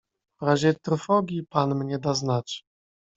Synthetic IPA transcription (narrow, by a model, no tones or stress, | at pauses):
vɾaʑɛt̪ɾɔfɔɡʲjipanmɲɛd̪aznat͡ɕ